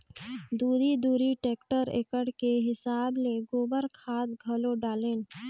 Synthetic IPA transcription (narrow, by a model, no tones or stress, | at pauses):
d̪uːɾid̪uːɾiʈeːkʈəɾḛːkəɽkeɦɪsaːbleɡoːbəɾkʰaːt̪ɡʱɐloɖaːleːn